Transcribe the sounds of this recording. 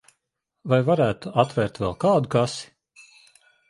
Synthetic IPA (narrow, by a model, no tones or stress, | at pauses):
vajvaɾæːt̪uat̪vɛːɾt̪vɛlˠkaːd̪ukasi̥